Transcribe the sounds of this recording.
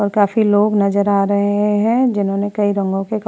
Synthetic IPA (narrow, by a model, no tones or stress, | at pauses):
ɔːɾkaːfiloːɡnɐzəɾaːɾɐɦeɦɛ̃d͡ʒɪnɦõːnekɐiɾɐ̃ŋɡõkek